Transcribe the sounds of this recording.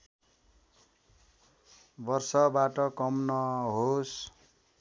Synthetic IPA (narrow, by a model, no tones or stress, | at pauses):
bʌrsʌbaʈʌkʌmnʌɦos